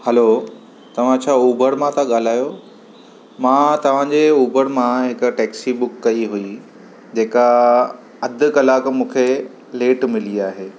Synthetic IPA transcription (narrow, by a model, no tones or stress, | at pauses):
hɐlo | t̪ɐʋ̤ãt͡ɕʰaːuːbəɾmãt̪ʰaɠaːl̤aːjo | mãːt̪ɐʋ̤ãd͡ʑeuːbʱəɾmãɦɪkʊ̆ʈɛːksibʊkːɐiɦui | d͡ʑeːka | ɐd̪ʱʊ̆kɐlaːkmũːkʰe | leːʈmɪliaːɦeː